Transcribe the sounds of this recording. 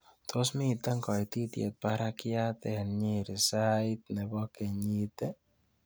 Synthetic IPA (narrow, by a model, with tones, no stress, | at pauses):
t̪ʰo˦smi˦t̪ɛ˦ŋkɔ˨jt̪i˦t̪jḛ˨t̪̚paɾa˦kɪ˦a˦t̪ɛ˨nɲe˦ɾi˨sait̪̚ne˨bɔ˦ke˨ɲi˦t̪ɛ˦